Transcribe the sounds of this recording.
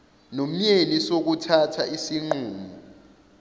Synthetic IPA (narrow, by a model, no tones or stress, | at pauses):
nom̩ɲenisok̬utʰatʰaisiŋ͡ǃuːmɔ